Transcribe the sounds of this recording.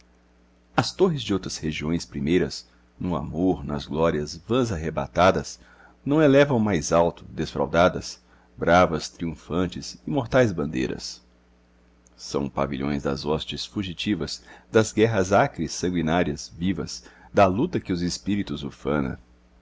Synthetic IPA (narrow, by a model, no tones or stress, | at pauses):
ɐst̪oɦɪzd͡ʒɪowt̪ɾɐsheʒiõj̃spɾimejɾɐz | nʊa̰moɾnɐ̰zɡlɔɾiɐzvɐ̃zaɦeba̰t̪ad̪ɐs | nɐ̃w̃elɛvɐ̃w̃majzawt̪ʊ̥d̪esfɾa̰wd̪ad̪ɐs | bɾavɐst̪ɾiũfɐ̃nt͡ʃɪsɪmoɾt̪ajzbɐ̃nd̪ḛjɾɐ̰s | ɐ̰̃w̃pa̰viʎõ̰j̃zd̪ɐ̰zɔst͡ʃɪsfuʒit͡ʃivɐzd̪ɐzɡɛɦɐzakɾɪsːɐ̃ŋɡwinaɾiɐzvivɐ̰z̥d̪ɐlut̪ɐkɪʊzɪspiɾit̪ʊzʊfɐ̰̃nɐ̰